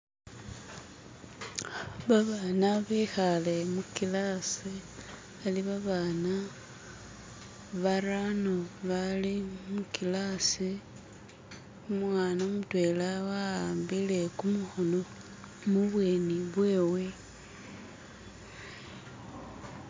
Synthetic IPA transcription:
βaβanaβexale̞mukilasi | aliβaβana | βaranoβalimukilasi | umwaːnamutwe̞ːlawaaːmbile̞kumuxono | muβweniβwe̞ːwe̞

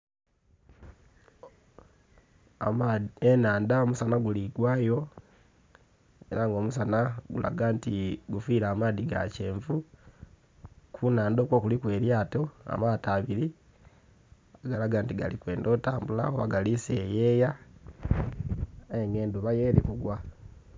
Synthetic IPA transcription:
a̰maenaːndaomusanaɡuliɡwaːjo̞ | ḛɾaŋɡo̞ːmusanaɡulʔa̰ɡaːntiɡufiːɾaːmaːðiɡa̰ce̞ːɱvu | kʰunaːndo̞kwo̞kulikwe̞ːɾjaːto̞a̰mataːβiɾi | aɡalaɡaːntiɡa̰likwe̞ːndo̞taːmbula̰oβaɡalisejeːja | aeŋɡe̞ːnduβajeːɾḭkuɡwa

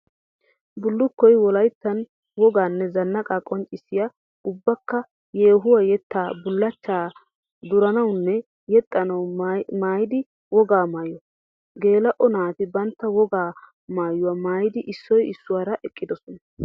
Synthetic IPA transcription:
bʊlːʊkːɔjwɔlɐjt̪ːɐn | wɔɡaːnːɛzɐnːɐkʼakʼɔnt͡ʃʼːɪsːɪja | ʊbːɐkːɐ | jeːɦʊwɐjɛt̪ːaːbʊlːɐt͡ʃːaː | d̪ʊɾɐnɐwnːɛ | jɛt̪ʼːɐnɐwmaːjɪd̪ɪ | wɔɡaːmaːjɔ | ɡe̞ːlɐʔɔnaːt̪ɪbɐnt̪ːɐwɔɡaː | maːjʊwɐmaːjɪd̪ɪʔɪsːɔjɪsːʊwaːɾɐʔɛkʼːɪd̪ɔsɔnɐ

